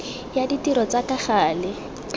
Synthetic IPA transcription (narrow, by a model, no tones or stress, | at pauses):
jaditiɾɔt͡sakaχaːlɪ